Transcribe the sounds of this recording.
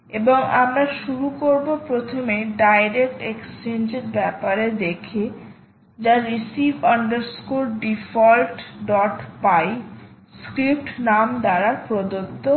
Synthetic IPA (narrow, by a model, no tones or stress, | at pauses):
eboŋa̰mɾaʃuɾukoɾbopɾot̪ʰomeɖajɾek̚ʈekst͡ɕend͡ʑeɾbɛpaɾed̪ekʰe | d͡ʑaɾisibaɳɖeɾskuɾɖifɔlʈɖɔʈpaj | skɾip̚ʈnamd̪aɾaɾpɾod̪ot̪ːo